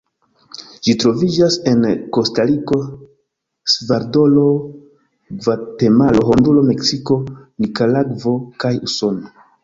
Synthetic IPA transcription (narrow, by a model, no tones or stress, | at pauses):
ʒ̥itɾo̞vid͡ʒase̞nko̞staɾiko̞ | svaɾdo̞lo̞ | ɡvate̞malo̞ɦondulo̞me̞ksiko̞nikalaɡvo̞kajuso̞no